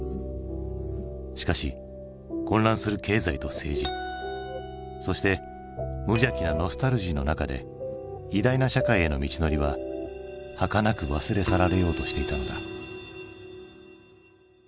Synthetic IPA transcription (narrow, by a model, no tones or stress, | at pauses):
ɕi̥kaɕi | kõ̞nɾãɰ̃sɨɾɯ̟ke̞ːzait̪o̞se̞ːʑi | so̞ɕi̥t̪e̞ | mɯ̟iakʲinano̞sɨ̥t̪aɾɯ̟ʑiːno̞nakad̪e̞̰ | id̪ainaɕakaie̞no̞̰mʲit͡ɕino̞ɾʲiβa | hakanakɯ̟βasɨɾe̞saɾaɾe̞jo̞ːt̪o̞ɕi̥t̪e̞it̪ano̞d̪a